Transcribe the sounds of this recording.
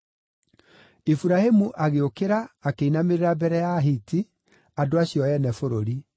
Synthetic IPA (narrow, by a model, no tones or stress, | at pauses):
ifuɾahemuʔaɣeokeɾaːkeinameɾeɾabɛɾɛjaɦiti | adoaɕjɔjɛnɛfoɾoɾi